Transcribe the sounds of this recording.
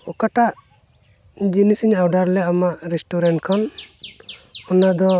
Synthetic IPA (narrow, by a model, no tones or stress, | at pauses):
ɔkaʈaʔ | d͡ʒinisiɲawɖaɾlɛamaɾɛsʈuɾɛɳʈkʰɔn | ɔnad̪ɔ